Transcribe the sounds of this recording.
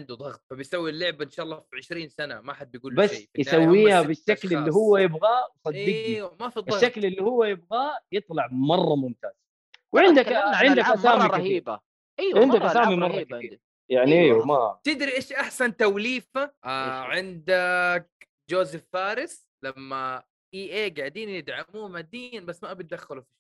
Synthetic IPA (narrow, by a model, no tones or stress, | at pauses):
ɪnd̪ud̪ˤɑɣt̪̚ˤfabɪjsawːilːʊʕbaɪnʃaːʔɑlˤːɑːfiʕɪʃɾiːnsana̰maħad̪̚bjɡuːbasːjawːiːhabɪʃːaklɪlːiɦʊwːajɪbɣawsˤɑd̪ːɪɡimɪʃʃːaklɪlːihʊwːajɪbɣajɨt̪ˤlɑʕmɑrˤːɑmʊmt̪aːz̥ | wʕɪnd̪akʕɪnd̪akʔasaːmiˤaiːɾa | ʔʕɪnd̪akʔasaːmimɑrˤːɑːkaθḭːɾ | jaʕniʔeːwmat̪ɪd̪ɾiʔeːʃʔaħsant̪awliːfaʔaʕɪnd̪ak̚ | d͡ʒoːzɪfːaːɾɪs | lamːa | ʔiːʔeːɡaʕd̪iːnjɪd̪ʕamuːmad̪iːnbasːmaʔabit̪̚d̪axːalufi